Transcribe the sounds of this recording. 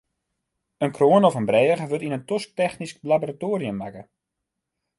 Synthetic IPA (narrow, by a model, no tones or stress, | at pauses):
ənkroənɔfənbrɛːəɣəʋøtinəntosk̚tɛxnisklaboratoːɾiəmːakə